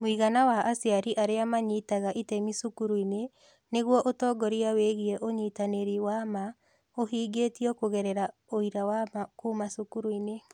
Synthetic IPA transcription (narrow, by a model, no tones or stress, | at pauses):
mwiɣanawaʔːsjaɾiʔaɾeamaɲitaɣaʔitɛmisukuɾuine | neɣwɔʔotɔːɡɔɾiaweɣiɛʔoɲitaneɾiwama | oɦiːɡetiɔkoɣɛɾɛɾaoiɾawamakuːmasukuɾuine